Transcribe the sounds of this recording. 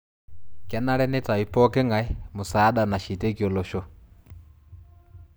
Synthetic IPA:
kɛ˨na˦ɾɛ˦nɛ˦ta˨i˨pɔ˦kɛ˦ŋa˨ɛ˦mo˨sa˨˦ɗa˨na˨ʃi˨te˦kjɔ˨lo˨ʃo˦

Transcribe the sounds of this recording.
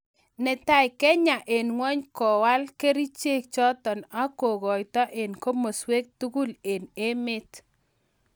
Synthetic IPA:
nɛ˨ta˦jkɛ˦ɲa˨ʔe˨nŋwɔ˦ɲkɔ˨wa˦lke˦ɾi˦t͡ʃe˦k̚t͡ʃɔ˦tɔ˨na˦ko˨ɣɔ˨jtɔ˦ʔe˨nko˦mo˨swe˦k̚tu˦ku˦le˨ne˦mɪ˦t

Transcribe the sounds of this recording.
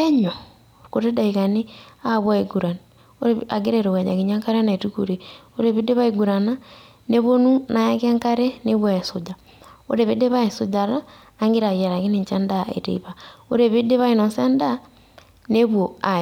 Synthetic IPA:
e˦ɲo˨ | ko˨ɾe˦da˨ikane˦a˦βwa˦eɡuɾa˨n | o˦ɾea˨ɡe˦ɾeɾo˨wɛ˨ɲa̰˨kiɲa˦ŋka˦ɾe˦na˨e˨tuku˨ɾeo˦ɾe˨βe˦de˦βa˦eɡu˨ɾa˨na˦ | ne˦βo˦nu˦na˨ja˦ke˦ŋka˦ɾe˦ne˦βwa˦e˨sod͡ʒa | o̰˦ɾe˨βe˦de˦βa˦e˨sod͡ʒaɾaː˦ | ŋɡe˦ɾa˨ɣa˨ɾa˨ɣe˦ne˨ɲt͡ʃɛ˦ndaḛ˨tḛiβao˦ɾe˨βe˦de˦βa˦ino˨sɛ˦nda˦ | ne˦βwoa

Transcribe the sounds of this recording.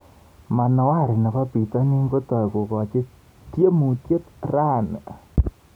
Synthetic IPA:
ma˨nɔ˨wa˦˨ɾi˨na˨ka˦pi˨ta˦ni˦ŋɡo˦tɔ˨i˨ko˨kɔ˨t͡ʃɪ˦ | tje˦mu˨tje˦tra˦˨n˨

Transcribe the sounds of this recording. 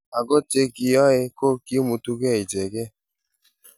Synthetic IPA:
a˨ɡo˦t͡ʃe˦ki˧˦ɔ˦ɪ˧ko˦ki˦mu˧tu˦ɡe˦˨i˨d͡ʒe˨ɡe˦

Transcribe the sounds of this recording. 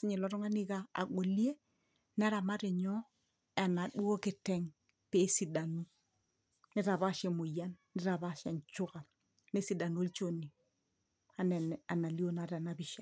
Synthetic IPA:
sɪ˦ɲi˨lɔ˦ɾɔ˦ŋa˦ni˦ka̰ː˨ɡo˨li˦e˦ | nɛ˦ɾa˨ma˦ɾi˨ɲɔ˦ | a˨na˨ɗu˦o˦kɪ˦˨tɛ˦ŋ | pe˨˦si˨da˨nu˦ | nɪ˦ɾa˨βa˦ʃe˨mo˨ja˦nːɪ˦ɾa˨ba˦ʃa˨ɲt͡ʃʊ˦ka˨ | ne˦si˨da˨nu˦o˦lt͡ʃo˦˨ni˨ | a˨nɛ˨n˨a˨na˨li˦o˦na˨ɾa˨na˨˦bi˨ʃa˦

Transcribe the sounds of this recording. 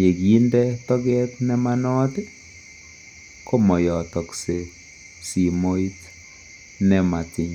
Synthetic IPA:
je˨ɡji˦ndɛ˦t̪ɔ˦ɡɛ˦t̪nɛ˦ma˦nɔ˦t̪ɪ˦ | ko˦mɔ˨jɔ˨t̪ɔ˨kse˨ | si˨mo˦i˦t | nɛ˦ma˨ti˨ɲ

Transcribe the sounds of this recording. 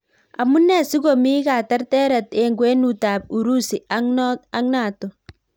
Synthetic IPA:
a̰˨mu˦nɛ˦˨si˦ko˨mi˦ka˨ta˦ɾtɛ˦ɾa˨te˨ŋɡwe˦nu˨taː˨p̚u˨ɾu˦si˨a˦n˦a˦ŋna˨to˨

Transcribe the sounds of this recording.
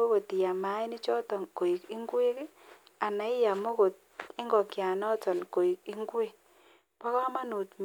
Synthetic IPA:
o˦ko˨ti˨ja˨ma˨˦ɪ˦nɪ˦t͡ʃɔ˦tɔ˨nko˨i˨kɪ˦ŋɡwe˦ke˦ | a˨na˨ɪ˦ja˨mo˦ko˨t̚ | ɪ˦ŋɡɔ˨kja˨nɔ˦tɔ˨nko˨i˨kɪ˦ŋɡwe˦˨ | pa˦kɔ˦ma˦nu˨tm

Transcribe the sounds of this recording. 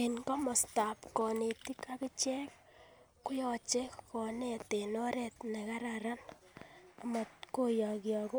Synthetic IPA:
inka˦mɔ˨sta˨pkɔ˨ne˨ti˦ka˦kɪ˦t͡ʃɛ˦k̚ | kʊ˦jɔ˦t͡ʃe˦kɔ˨ne˨te˨nɔ˦ɾe˨tne˨ka˦ɾaɾa˦n | ama˨tko˦jɔ˨kjɔ˨kʊ˦

